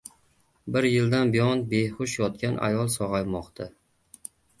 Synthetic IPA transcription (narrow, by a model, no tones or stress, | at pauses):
bɪɾjɪld̪anbijɒnbejχʊʃjɒt̪̚kʲanʔa̰jɒlˠsɒʁɑjmɒqt̪ʰa